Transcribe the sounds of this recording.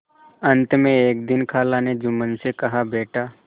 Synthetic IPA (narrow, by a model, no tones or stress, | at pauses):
ə̃nt̪mẽeːkd̪ɪnkʰaːlaned͡ʒʊmənsekɐɦabeːʈaː